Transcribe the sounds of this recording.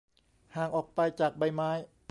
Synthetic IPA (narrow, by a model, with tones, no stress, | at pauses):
haː˨˩ŋʔɔː˨˩k̚pa˧jt͡ɕaː˨˩k̚ba˧jmaː˦˥j